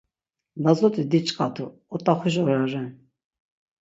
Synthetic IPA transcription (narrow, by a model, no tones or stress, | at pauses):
lazɔt̪ʰʼid̪it͡ʃʼqʼat̪ʰʼu | ɔt̪ʼaχiʃ̬ɔɾaɾɛn